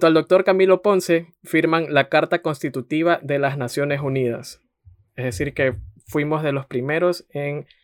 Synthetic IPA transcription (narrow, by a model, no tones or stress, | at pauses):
t̪oald̪ok̚t̪o̞ɾkamilo̞po̞nse̞fiɾmaŋlakaɾt̪ako̞nst̪it̪ut̪iβ̞aðe̞lasnasjo̞ne̞suniða̰s | ezðesiɾke̞fwimo̞zðe̞lo̞spɾime̞ɾo̞seŋ